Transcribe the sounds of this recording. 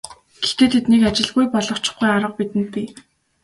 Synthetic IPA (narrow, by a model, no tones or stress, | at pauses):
ɡ̥ext̪eːt̪ʰet̪nekat͡ɕɪ̆ɮɣujpɔɮɞ̆χt͡ɕɪ̥̆χɡujaɾə̆q̚pit̪ɘ̆nt̪̚pi